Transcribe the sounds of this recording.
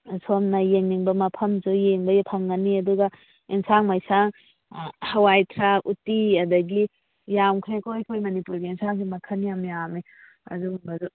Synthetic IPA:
somnɐjeŋniŋbɐmɐpʰɐmzujeŋbɐjpʰɐŋɡɐniɐduɡɐ | insaŋmajsaŋ | hɐwajtʰɾakutiɐdɐɡi | jamkʰɾekojkʰojmɐnipuɾɡiinsaŋsimɐkʰɐniamjami | ɐ̰dubɐzu

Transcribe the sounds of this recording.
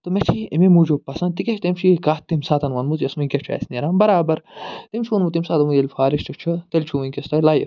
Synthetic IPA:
t̪omet͡ʃʰiememud͡ʒopɐsɐnt̪ikɐʃʰt̪ɐmt͡ʃʰikaːt̪ːimsaːt̪ɐnʋɐnmuzjɐsmɐnʲkʲɐt͡ʃʰuɛ̰sniɾaːnbɐɾaːbɐɾt̪imt͡ʃʰuɐnmut̪̬imsaːt̪ɐmujelʲfʰaːɾiʃt͡ʃʰut͡ʃʰut̪ɐlʲt͡ʃʰuɐnʲkʲɐst̪ɐlaːjif

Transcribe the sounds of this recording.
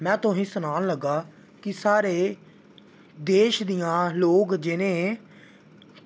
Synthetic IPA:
mɛ̃ːt̪ʊɦĩːsʊnaːnləɡːaː | kɪsaːɾeː | d̪eːʃd̪ijãːloːkd͡ʒɪnẽː

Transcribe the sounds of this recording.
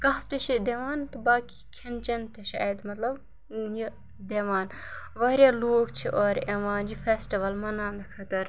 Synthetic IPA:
kɐɦft̪eʃid̪eʋaːnt̪ubaːkikʰɐnt͡ʃɐnt̪eʃaːjd̪mɐt̪lɐb | ji | d̪eʋaːn | ʋɐːɾjaloːɡt͡ʃʰiʔɔːɾeʋaːnd͡ʒifʰeːsʈiʋɐlmɐnaːnɐkʰɐt̪ɐɾ

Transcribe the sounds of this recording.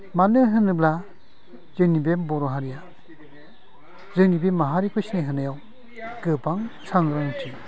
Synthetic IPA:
manɯɦɯnɯbla | zɯnibembɔɾɔɦaɾija | zɯnibemːaɦaɾikʰɔjsneɦɯnajaw | ɡɯpaŋsʰaŋɾaŋtʰi

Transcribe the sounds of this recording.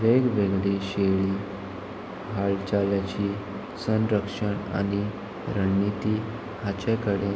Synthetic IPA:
ʋeɡʋeɡɭeɕeɭiː | ɦaɭt͡ɕaljat͡ɕiː | sə̃nɾəkʂəɳa̰ni | ɾəɳːit̪iː | hat͡ɕekəɽe

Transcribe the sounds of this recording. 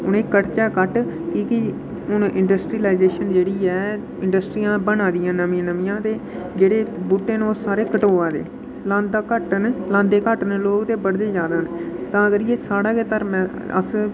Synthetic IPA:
ʊnẽːkəʈt͡ʃɛːkəʈkiːkɪ | ʊnːʔɪɳɖəsʈɾiːlaːɪzeːʃənd͡ʒeːɽiːɛː | ɪɳɖəsʈɾiːjãːbənaːd̪ɪjãːnəmĩːnəmĩːãːt̪eː | d͡ʒeːɽeːbuːʈːeːnoːsaːɾeːkəʈoːaːd̪ḛː | lãːnd̪aːkəʈnlãːnd̪eːkəʈnloːkd̪eːbəɽd̪eːd͡ʒjaːd̪aːnːt̪ãːəɡəɾjeːsaːɽaːkeːt̪əɾmɛ̃ː | ə̰s

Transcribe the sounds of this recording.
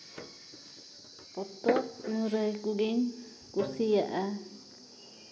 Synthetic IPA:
pɔt̪ɔʔnuɾəjkuɡin | kuɾsijaʔa

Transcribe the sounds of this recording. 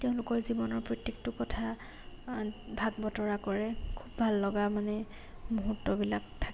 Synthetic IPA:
tɛʊ̃lʊkɔɹzibɔnɔɹpɹɔtːik̚tʊkɔtʰa | bʱaɡ̚bɔtɔɹakɔɹɛkʰubːʱalːɔɡamanɛ | muɦutːɔbilak̚tʰḁk

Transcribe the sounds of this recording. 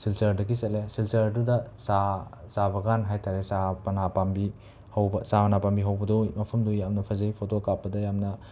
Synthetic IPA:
silsɐɾdɐɡisɐtlesilsɐɾɐdudɐsasabɐɡanɦajtʰaɾesapɐnapambi | hɐwbɐsamɐnapambiɦɐwbɐdumɐpʰɐmdujamnɐpʰɐzɐipʰotokapːɐdɐjamnɐ

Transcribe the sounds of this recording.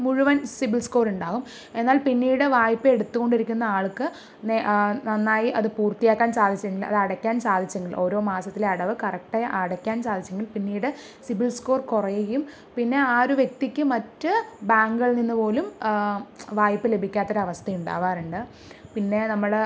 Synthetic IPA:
muɻuʋɐnsibiɭsko̞ːɾuɳɖaːɣum | e̞nːaːlpinːiːɽɨʋaːjpːɨeɽut̪ːuɣo̞ɳɖiɾikʲːunːɐaːɭkːɨ | nenɐnːaːjiʔɐðɨpuːrt̪ijaːkːaːnsaːd̪ʱit͡ɕːɐeŋɡilɭɐ̰ðɨɐɽɐkʲːaːnsaːd̪ʱit͡ɕːɐŋɡiɭʔo̞ːɾo̞ːmaːsɐt̪ːileɐɽɐʋɨkɐrɐk̚ʈaʔɐɽɐkʲːaːnt͡ɕaːd̪ʱit͡ɕːɐŋɡilpinːiːɽɨ | sibiɭsko̞ːrkurɐjejum | pinːe̞aːɾuʋje̞k̚t̪ikʲːɨmɐtːɨbaːŋɡɐɭninːɨpo̞ːlum | ʋaːjpːɨle̞bʱikʲːaːt̪ːoɾɐʋɐst̪ʰɐjuɳɖa̰ːʋaːɾuɳɖɨ | pinːe̞nɐmːɐɽe

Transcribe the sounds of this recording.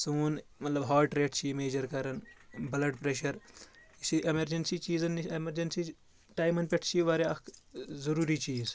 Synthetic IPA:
suːnmɐt̪lɐbɦaːʈɾeːʈt͡ʃʰimeːd͡ʒɐɾkɐɾɐnbɐlɐʈpɾeːʃɐɾ | isiʔemɐɾd͡ʒensit͡ʃiːzɐnːemɐɾd͡ʒensi | ʈaːjmɐnpʲeʈʰt͡ʃʰiʋaːɾeɐkzɐɾuːɾiːt͡ʃiːz

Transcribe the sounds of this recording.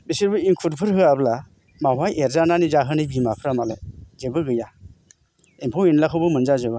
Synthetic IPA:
bisiɾbɯiŋkʰut̚pʰɯɾɦɯabla | mawajʔeɾzananizaɦɯnɯbimapʰɾamalḛzɯbɯɡɯja | impʰawinlakʰɯwbɯmɯnzazɯba

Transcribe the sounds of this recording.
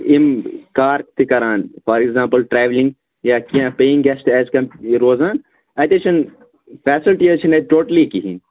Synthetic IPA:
ɪmkaːɾ̚t̪ikɐɾaːnfɔːɾɪkzãːmpəlʈɾɛːʋlɪ̃ŋɡ | jakiãpeːɪ̃ŋɡɛst̪ɛːskɐmɾoːzaːn | ɐt̪et͡ʃʰɐn | fɛːsɪlʈiɐt͡ʃʰinẽʈoːʈlikiɦin

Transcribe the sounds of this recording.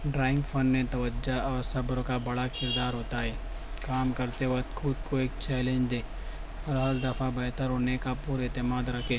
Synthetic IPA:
ɖɾaːɪ̃ŋɡfʰɐnːet̪ɐʋəd͡ʒaɔːɾsɐbɾokabɐɽakɪɾd̪aːɾɦoːt̪aɦɛː | kaːmkɐɾt̪eʋɐt̪kʰʊd̪koeːk̚t͡ʃɛːlẽːɲd͡ʒd̪eː | ɔːɾɦɐɾd̪ɐfabɛɦt̪əɾɦoːnekapuːɾet̪ɪmaːd̪ɾɐkʰeː

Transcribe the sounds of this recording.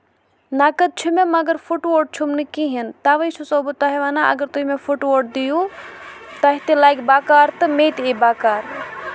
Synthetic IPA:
naːkəd̪̚t͡ʃʰumemɐɡəɾfʰuʈʋoːʈ̚t͡ʃʰumnɨkiɦint̪aːʋət͡ʃʰusoːbət̪ːaɦeʋaːnaʔɐ̰ɡəɾt̪uɦimẽfʰuʈʋoːʈ̚d̪iju | t̪ɐɦit̪elaːjɡbaːkaːɾt̪ɨmeːt̪ebaːkaːɾ

